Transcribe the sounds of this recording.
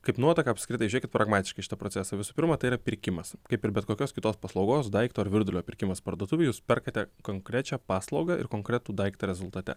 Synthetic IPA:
kɐɪpnuɔt̪ɐkɐɐpʲsʲkɾʲɪt̪ɐɪʒʊnʲekʲɪt̪pɾʔɐɡmɑːt̪ʲɪʃkɐɪʃɪ̥t̪ɐpɾoːt͡ssʲæːsɐʋʲɪsuːpʲɪɾmɐt̪ɐɪiɾɐpʲɪɾʲkʲɪmɐskɐɪpɪɾbʲɛt̪̚koːkʲoːskʲɪt̪oːspɐslˠɐʊɡoːsd̪ɐɪkt̪oːɐɾʋʲɪɾd̪ʊlʲoːpʲɪɾʲkʲɪmɐspɐɾd̪uɔt̪ʊʋʲeːjuːspʲɛrkɐt̪ʲɛkoːŋkɾʲæt͡ʃʲæpɑːslˠɒʊɡɐʔɪ̰rkoːŋkɾʲɛt̪uːd̪ɐɪkt̪ɐɾʲɛzʊlˠt̪ɐt̪ʲɛ̰

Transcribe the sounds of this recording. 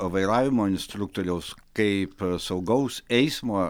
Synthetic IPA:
ʋɐɪɾɑːʋʲɪmoːɪnʲsʲt̪ɾʊk̚t̪oːɾʲɛʊskɐɪpsɐʊɡɐʊsɛɪsmoː

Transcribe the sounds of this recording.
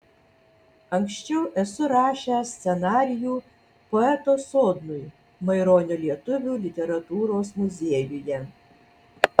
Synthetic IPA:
ɐŋksʃʲt͡ʃʲɛʊʔɛsʊɾɑːʃʲɛsʲt̪sʲɛnɑːɾʲɪjuː | pɔɛt̪osɔːd̪nʊj | mɐɪɾɔːnʲɔlʲiɛt̪ʊʋʲuːlʲɪt̪ʲɛɾɐt̪uːɾoːsmʊzʲeɛjʊjɛ

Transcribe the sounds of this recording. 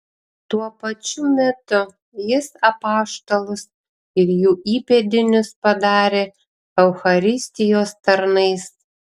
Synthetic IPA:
t̪uɔpɐt͡ʃʲʊmʲɛt̪ʊ | jɪsɐpɑːʃt̪olˠʊs | ɪɾjuːiːpʲed̪ʲɪnʲʊspɐd̪ɑːɾʲeː | ɛʊxɐɾʲɪsʲt̪ʲɪjoːst̪ɐɾnɐɪs

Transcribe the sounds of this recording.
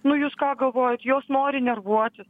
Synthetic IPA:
nʊjuːskɑːɡɐlˠʋoːjɛt̪joːsnoːɾʲɪnʲɛrʋuɔt̪ʲɪs

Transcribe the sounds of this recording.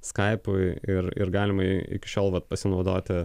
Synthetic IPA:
skɐɪpʊɪɪɾɪ̰ɾɡɑːlʲɪmɐɪ̰kʲɪʃʲoːlˠʋɐt̪̚pɐsʲɪnɒʊd̪oːt̪ʲɪ

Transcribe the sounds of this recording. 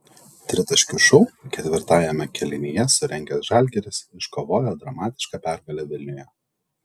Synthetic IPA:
t̪ʲɾʲɪt̪ɐʃʲkʲʊʃɔʊkʲɛt̪ʲʋʲɪɾt̪ɑːjɛmʲɛkʲɛlʲɪnʲijɛsʊɾʲɛŋʲɡʲɛsʒɑˑlʲɡʲɛɾʲɪsɪʃkoʋoːjɛd̪ɾɐmɑːt̪ʲɪ̥ʃkɑːpʲæɾɡɐlʲɛʋʲɪlʲnʲʊjɛ

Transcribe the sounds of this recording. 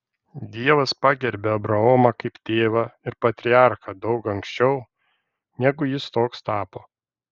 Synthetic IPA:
d̪ʲiɛʋɐspɑːɡʲɛɾʲbʲeɐbɾɐoːmɐkɐɪpt̪ʲeːʋɐɪɾpɐt̪ʲɾʲɪɑˑɾxɐd̪ɐʊkɐŋksʲt͡ʃʲɛʊ | nʲæɡʊjɪst̪oːkst̪ɑːpoː

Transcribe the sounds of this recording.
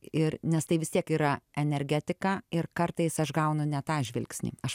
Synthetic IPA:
ɪrnʲɛst̪ɐɪʋʲɪst̪iɛkiːɾɐɛnʲɛɾʲɡʲæːt̪ʲɪkɑːɪrkɐrt̪ɐɪsɐʃɡɐʊnʊnʲɛt̪ɑːʒʲʋʲɪlʲksʲnʲḭːɐʃ

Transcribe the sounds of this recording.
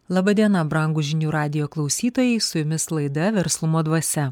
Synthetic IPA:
lˠɑbɐd̪ʲiɛnɐbɾɐŋɡʊʒʲɪnʲuːɾɑːd̪ʲɪjoːklˠɒʊsʲiːt̪oːjɛɪsʊjʊmʲɪslˠɐɪd̪ɐʋʲɛɾslˠʊmoːd̪ʋɐsʲɛ

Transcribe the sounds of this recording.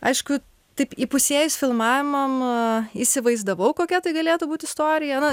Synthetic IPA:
ɐɪʃkʊ | t̪ɐɪpipʊsʲeːjʊsfʲɪlˠmɑːʋʲɪmɐmisʲɪʋɐɪzd̪ɐʋɐʊkoːkʲɛt̪ɐɪɡɐlʲeːt̪ʊbuːt̪ʲɪst̪oːɾʲɪjɛnɐ

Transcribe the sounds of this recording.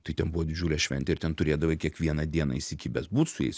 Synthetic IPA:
t̪ɐɪt̪ʲɛnbuʋɔːd̪ʲɪd͡ʒʲuːlʲɛʃʲʋʲɛ̰nʲt̪ʲɛɪɾt̪ʲɛnt̪ʊɾʲeːd̪ɐʋɐɪkʲiɛkʋʲiɛnɐd̪ʲiɛnɐ̰ɪsʲikʲiːbʲɛsbuːt̪sʊjɛ̰ɪs

